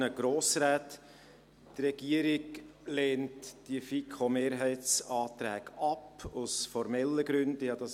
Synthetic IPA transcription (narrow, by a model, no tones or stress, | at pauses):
əɡ̥ɾoːsɾæːt̪ | t̪rɛɡ̥iəɾiɡleːntd̥iəfikʰomeːɾɦɛɪt͡sɑːt̪ɾæːɡ̥ɑpʊsfɔɾmɛlːəɡɾʏndəjɑd̥ɑs